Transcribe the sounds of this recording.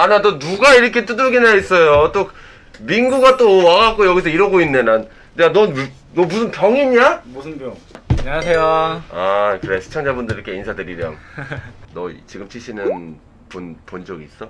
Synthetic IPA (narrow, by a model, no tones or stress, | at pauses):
anadonuɡaiɾʌkʰe̞t͈ɯduɡinais͈ʌjot͈o | minɡuɡat͈owaɡak͈ojʌɡisʰʌiɾʌɡoinːenan | ɲanʌ | nʌmusʰɯnpʰjʌŋiɲausnp | sejoakɯɾeɕʰi̥t͡ɕʰʌŋd͡ʑabundɯɾikʰe̞insʰadɯɾiɾjʌ̰m | nʌt͡ɕiɡɯmt͡ɕʰiɕʰinɯn | punpond͡ʑoɡḭːs͈ʌ